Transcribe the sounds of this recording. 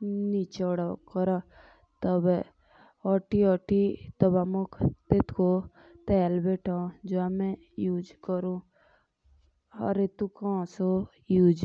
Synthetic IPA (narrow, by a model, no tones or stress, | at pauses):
nit͡ʃeɔɽakəɾa | t̪ɔb | ɔʈiɔːʈit̪ɔbamokʰt̪et̪ko | t̪ɛːlbeːʈʰãd͡ʒoamɛ̃ | juːd͡ʒkəɾũ | ɐ̰ɾet̪ukɔ̃ːso | juːd͡ʒ